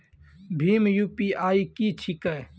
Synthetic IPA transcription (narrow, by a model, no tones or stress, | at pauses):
bʱiːmjuːpiaːikit͡ʃʰikəj